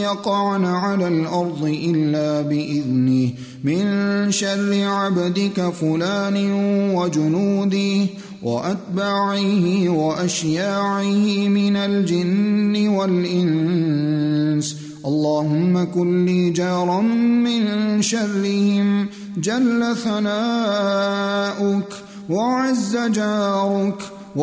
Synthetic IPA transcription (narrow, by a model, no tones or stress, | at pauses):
jɑqɑʕnaʕalaːlʔɑɾˤd̪ˤɨʔɪlːaːbɪʔɪðnɪh | mɪnʃarːɪʕabad̪ɪkafʊlaːnɪwad͡ʒʊnuːd̪ɪh | wʔa̰ʔat̪baːʕɪhɪwaʔaʃjaːʕɪhɪmɪnald͡ʒɪnːɪwalʔɪn | s | ʔɑlˤːɑːhʊmːakʊlːiːd͡ʒɑːɾˤɑnmɪnʃarːɪhɪm | d͡ʒalːaθanaː | ʔʊk | waʕazːad͡ʒaːɾʊk | w